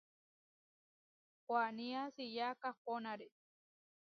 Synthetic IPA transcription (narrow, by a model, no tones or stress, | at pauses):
kʷaniasijakahkonaɾe